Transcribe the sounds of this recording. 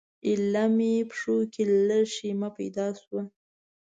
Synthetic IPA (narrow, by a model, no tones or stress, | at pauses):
ɪlːamepʂokelləʃimapa̰jd̪ɑswa